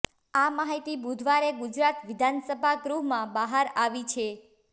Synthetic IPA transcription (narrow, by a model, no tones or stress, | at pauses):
amaɦit̪ibud̪ʱʋaɾeɡud͡ʒɾat̪ʋɪd̪ʱansəbʱaɡɾuɦmãbaɦaɾaʋit͡ʃʰe